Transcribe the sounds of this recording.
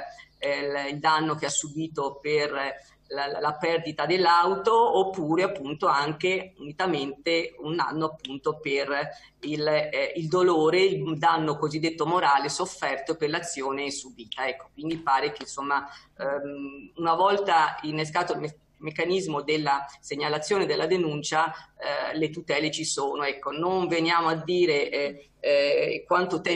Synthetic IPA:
ild̪anːok̟easːubiːt̪oper | llapɛrd̪it̪ad̪elːawt̪oːpːuːɾeapːunt̪oaŋk̟eunit̪ament̪euna̰nːoapːunt̪oper | ilild̪oloːɾeid̪anːokozid̪ːet̪ːomoɾaːlesofːɛrt̪operlat̪sːjoːnesubiːt̪aɛkːo̥kwind̪ipaːɾek̟einsomːa | unavɔlt̪ainːeskaːt̪oil | mekːanizmod̪elːaseɲːalat̪sːjoːned̪elːad̪enunt͡ʃa | let̪ut̪ɛːlet͡ʃisoːnoɛkːonoɱvenjaːmoad̪ːiːɾe | kwant̪ot̪ɛ

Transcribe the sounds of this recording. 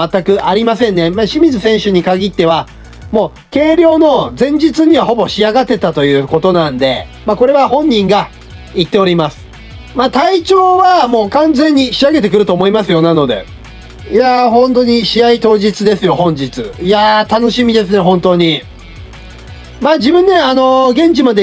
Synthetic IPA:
at̪ːakɯ̟ʔaɾʲimasẽ̞nːe̞maɕimʲizɨsẽ̞ɰ̃ɕɨɲ̟ikaɡʲit̪ːe̞βa | mo̞ː | ke̞ːɾʲjo̞ːno̞d͡zẽ̞ɲ̟d͡ʑit͡sɨɲ̟iβaho̞bo̞ɕiaɡat̪ːe̞t̪at̪o̞jɯ̟ːko̞t̪o̞nãnd̪e̞ | mako̞ɾe̞βahõ̞ɲ̟ːĩŋɡa | it̪ːe̞o̞ɾʲimasɨ̥ | mat̪ait͡ɕo̞ːβamo̞ːkãnd͡zẽ̞ɲ̟ːiɕiaɡe̞t̪e̞kɯ̟ɾɯ̟t̪o̞ːmo̞imasɨjo̞nano̞d̪e̞̰ | jaɦõ̞nt̪o̞ɲ̟iɕiait̪o̞ːʑit͡sɨd̪e̞sɨjo̞hõ̞ɲ̟d͡ʑit͡sɨjat̪ano̞ɕimʲid̪e̞sɨne̞ɦõ̞nt̪o̞ːɲ̟i | maːd͡ʑibɯ̟̃nːe̞ano̞ɡẽ̞ɲ̟t͡ɕimad̪e

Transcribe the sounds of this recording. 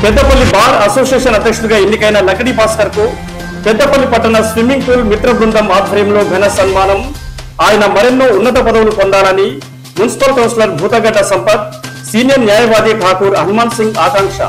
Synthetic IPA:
pɛd̪ːɐpɐlːibaːɾɐsoːsijeːʂɐnɐd̪ːɐkʂt̪uɡaːenːikɐjnɐlɐɡɐɽibaːsʈɐɾku | pɛd̪ːɐpɐlːipɐʈːɐnɐsʋimiŋɡ̚puːlmit̪ɾɐbɾund̪ɐmaːd̪ʱɐɾjɐmlo̞ːɡʱɐnɐsɐnmaːnɐm | aːjɐnɐmɐɾenːoːunːɐt̪̬ɐpɐd̪ɐwulupɔnd̪aːlɐni | munisi̥pɐlkɐwnslɐɾbʱuːt̪ɐɡɐɖːɐsɐmpɐt̪̚siːnijɐɾnjaːjɐʋaːd̪eːʈʰaːkuːɾɐnmaːnsiŋɡaːkaːŋʂɐ̰

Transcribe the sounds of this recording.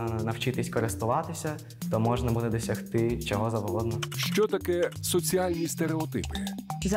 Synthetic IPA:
nɐwt͡ʃɪt̪ɪsʲkɔɾɪst̪ʊʋɑt̪ɪsʲɐ | t̪ɔmɔʒnɐbud̪ɛd̪ɔsʲɐxt̪ɪt͡ʃɔɦɔzɐʋɦɔd̪nɔʃt͡ʃɔt̪ɐkɛsɔt͡sʲiɑlʲnʲist̪eɾeɔt̪ɪpɪ̥z

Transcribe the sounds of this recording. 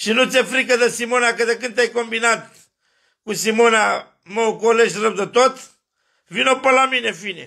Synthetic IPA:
sinũt͡s̪efɾikɐðɐsimonakɐðɐkɨnd̪t̪ejkõmbinat̪ | kũsimona | mɐkoleʃɾɐwd̪ɐt̪ot̪ | vinopɐlamĩnefinḛ

